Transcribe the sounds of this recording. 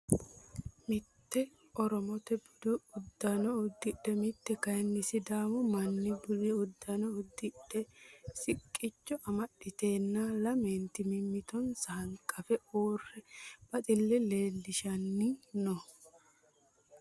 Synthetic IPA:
mɪt̪ːɛ | ɔɾɔmɔt̪ɛbʊd̪ɪʊd̪ːɐnɔʊd̪ːɪɗːɛmɪt̪ːɛkɐjnːɪsɪd̪aːmɔmɐnːɪbʊlɪʊd̪ːɐnɔʊd̪ːɪɗːɛsɪkʼːɪt͡ʃːɔʔɐmɐɗɪt̪e̞ːnːɐlɐment̪ɪmɪmːɪt̪ɔnsɐhɐŋkʼɐfɛʔoːrːɛb̥ɐt̪ʼɪlːɛle̞ːlːɪʃɐnːɪnɔ

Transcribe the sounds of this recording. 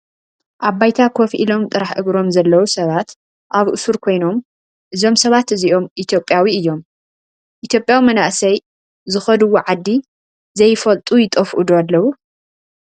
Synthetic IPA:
ʔaβajt̪ʰakʰofʔḭlo̞mt̪ʼɨɾaħʔɨɡɾo̞mzɐlːɐwusɐβat̪ | ʔaβʔṵsuɾkʰo̞jno̞m | ʔɨzo̞msɐβat̪ɨziʔo̞mit̪ʰjo̞pʼjawiɨjːo̞m | ʔit̪ʰjo̞pʼjawimɐnaʔsɐj | zɨxɐd̪uwːoʕad̪ːi | zɐjfɐlt̪ʼujɪt̪ʼɐfʔud̪oalːɐwu

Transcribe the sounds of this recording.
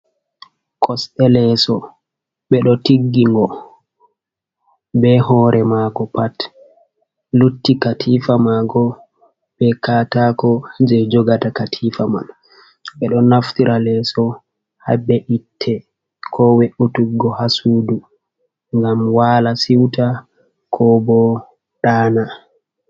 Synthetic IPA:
kʰɔsɛlɛsɔ | ɓɛɗɔtiɡːiŋɡɔ | bɛhɔːɾʔɛmaɡɔpat | lutːikatʰifamaɡɔ | ɓɛkatakɔd͡ʒɛd͡ʒɔɡatakatʰifama̰n | ɓɛɗɔnaftiɾʔalɛsɔ | ha̰bɛʔitʰːɛ | kʰɔweʔutuɡːɔhasuːdu | ŋɡamwaːlasiwta | kʰɔbɔ | ɗaːna

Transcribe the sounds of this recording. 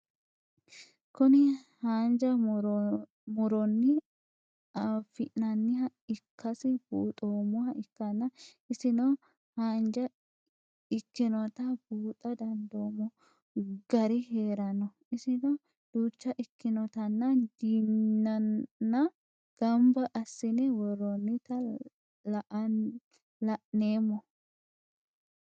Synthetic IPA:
kʊnɪ | haːnd͡ʒɐ | mʊɾɔnːɪ | ɐfɪʔnɐnːɪhɐɪkʰːɐsɪb̥uːt̪ʼoːmʊhɐʔɪkːɐnːɐ | ɪsɪno | haːnd͡ʒɐ | ɪkːɪnɔt̪ɐb̥uːt̪ʼɐd̪ɐnd̪oːmɔ | ɡ̥ɐɾɪɦeːɾɐnɔ | ɪsɪnɔ | d̪̥uːt͡ʃːɐʔɪkːɪnɔt̪ɐnːɐd̪iɐːɐ | ɡ̥ɐmbɐʔɐsːɪnɛwɔɾːɔnːɪt̪ɐ | lɐʔɐ | lɐʔneːmːɔ

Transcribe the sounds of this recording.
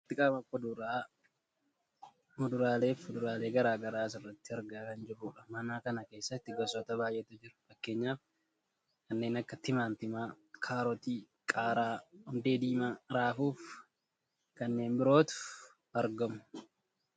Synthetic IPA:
ɪt̪ːɪkʼɐmɐkːɔd̪uːɾaː | mʊd̪ʊɾaːle̞ːfʊd̪ʊɾaːle̞ːɡɐɾaːɡɐɾaːsɪrːɐt̪ːɪɐɾɡaːkɐnd͡ʒɪruːᶑɐmɐnaːkɐnɐke̞ːsːɐt̪ːɪɡɐsɔt̪ɐbaːjʔɛt̪ʊd͡ʒɪɾʊ̥fɐkːe̞ːɲːaːf | kɐnːe̞ːnɐkːɐt̪ɪmaːnt̪ɪmaː | kʰaːɾɔt̪iː | kʼaːɾaːhʊnd̪eːd̪iːmaɾaːfuːf | kɐnːe̞ːnbɪɾo̞ːt̪ʊ̥ | ɐɾɡɐmʊ̥

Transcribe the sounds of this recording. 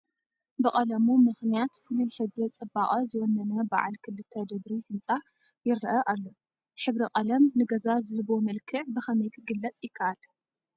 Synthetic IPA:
bɨqʼɐlɐmumɨxnijat̪fɨnilħɨβɾit͡sʼɨbːaχʼɐzɨwɔnːɐnɐba̰ʕa̰lkʰɨlːɨt̪ʰːɐd̪ɐβɾihɨnt͡sʼa | jɪɾɐʔɐʔalːo | ħɨβɾiqʼɐlɐmnɨɡɐzazɨbomɐlkʰɨʕbɨxɐmɐjkʰɨɡɨlːɐt͡sʼjɪkʰːaʔal

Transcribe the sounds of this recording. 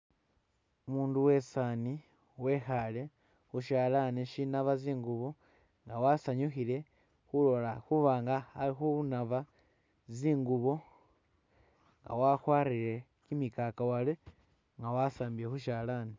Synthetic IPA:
umuːnduwe̞sani | we̞xale | xuʃaːlaniʃinaβaziːŋɡuβo̞ | ŋɡawasaɲuxile̞ | xulo̞laxuβaːŋɡaalixuβnava | ziːŋɡuβo̞ | ŋɡa̰waxwaːriɾe̞ | kimikakawale | ŋɡawasaːmbiɾexuʃalani

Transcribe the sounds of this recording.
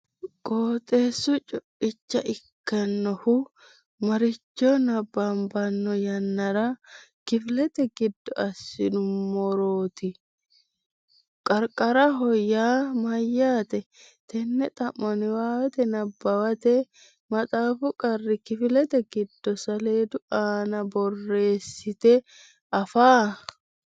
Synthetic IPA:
kʼoːt̪ʼeːsːʊt͡ʃʼʊpːɪt͡ʃːɐʔɪkːɐnːɔhʊ | mɐɾɪt͡ʃːoːnɐbːambɐnːɔjɐnːɐɾɐkɪflɛt̪ɛɡɪd̪ːɔɐsːɪ̰nʊmmɔɾoːt̪ɪ | kʼɐɾkʼɐɾɐɦɔjːaːmɐjːaːt̪ɛ | t̪ʰɛnːɛt̪ʼɐmːɔnɪwaːwɐt̪ɛnɐbːɐwɐt̪ɛ | mɐt̪ʼaːfʊkʼɐrːɪkɪfɪlɛt̪ɛɡɪd̪ːɔsɐleːd̪ʊaːnɐbɔrːe̞ːsːɪt̪ɛ | ɐfaː

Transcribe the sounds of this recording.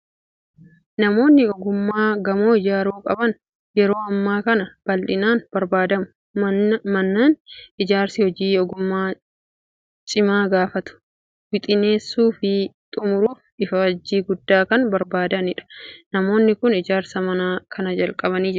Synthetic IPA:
nɐmo̞ːnːɪɔɡʊmːaːɡɐmo̞ːɪd͡ʒaːɾuːkʼɐbɐn | jɛɾo̞ːɐmːaːkɐnɐb̥ɐlᶑɪnaːnb̥ɐɾbaːd̪ɐmʊ | mɐnːaːnɪd͡ʒaːɾsɪhɔd͡ʒiːɔɡʊmːaː | t͡ʃʼɪmaːɡaːfɐt̪ʊ̥ | wɪt̪ʼɪne̞ːsːuːfɪt̪ʼʊmʊɾuːfɪfɐɐd͡ʒːiːɡʊd̪ːaːkɐnbɐɾbaːd̪ɐnɪᶑɐ̥nɐmo̞ːnːɪkʊnɪd͡ʒaːɾsɐmɐnaːkʰɐnɐd͡ʒɐlkʼɐbɐniːd͡ʒ

